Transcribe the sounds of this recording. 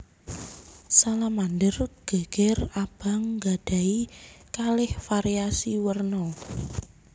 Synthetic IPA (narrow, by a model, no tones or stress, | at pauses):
salamandərɡ̥a̤ɡ̥ɛrab̥a̤ŋɡa̤ɖ̥a̤ikalɪhfaɾiasiwərnɔ